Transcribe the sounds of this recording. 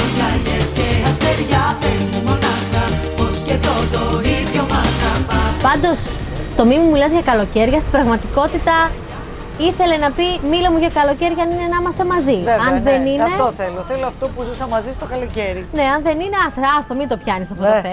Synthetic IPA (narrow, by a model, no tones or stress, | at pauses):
lɐʎesceɐst̪eɾʝapezimonɐxɐposcet̪ot̪oiðʝomɐnamɐpɐnd̪o̞s | t̪o̞mimumilɐzʝɐkɐlo̞ce̞ɾʝɐst̪ibɾɐɣmɐt̪iko̞t̪it̪ɐ | iθe̞le̞nɐpimilɐmuʝɐkɐlo̞ce̞ɾʝɐɐninenɐimɐst̪e̞mɐzineɐnðeninɐet̪oθeloθeloɐft̪o̞puzusɐmɐzist̪okɐloceɾine̞ɐnðe̞nineɐsɐst̪o̞mit̪o̞pçɐnisɐftot̪e